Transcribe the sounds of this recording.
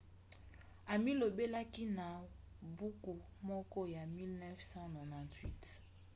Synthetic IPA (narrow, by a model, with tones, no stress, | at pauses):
a˨mi˦lo˨be˦la˦ki˦na˨ | bu˦ku˨ | mɔ˦kɔ˦ja˨mi˦lnɛ˦fsã˦nɔ˨nã˨ntwi˦t